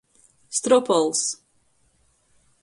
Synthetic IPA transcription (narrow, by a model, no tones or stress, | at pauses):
st̪ɾɔpɔlˠs